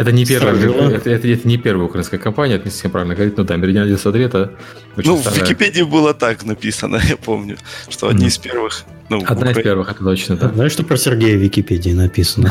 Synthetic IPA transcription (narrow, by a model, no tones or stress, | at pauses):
ɛt̪ənʲɪpʲervəjɡɐvɛt̪əɛt̪əɛt̪ənʲɪpʲe̞rvəjəʊkɾɐinkəjəkɐmpanʲɪəɛt̪əmʲnʲɪsɐ̥sʲempɾavɪlnəɡəvɐɾʲit̪̚ʲnud̪amʲɪɾʲɪdʲɪnadʲesɐd̪ɾʲet̪ə | ot͡ɕnunsvɐvʲɪakʲɪpʲedʲɪɪbɨlˠət̪aknɐpʲisənə̰japomnʲʊʂt̪o̰ɐ̰d̪ʲnʲiɪspʲervɨx | nuɐd̪naɪspʲervɨxɛt̪əd̪ot͡ɕnəd̪zajʂt̪opɾəsʲɪrɡʲejəvʲɪkʲɪpʲedʲɪːnɐpʲisənə